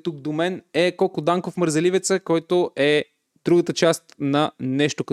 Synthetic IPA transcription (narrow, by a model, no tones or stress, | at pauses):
t̪uk̚d̪omɛnɛkɔlˠkʊd̪aŋkofməɾzɛlivɛt̪səkɔjt̪oʔɛ | d̪̥ɾuɡət̪ət͡ʃast̪nɐnɛʃt̪ok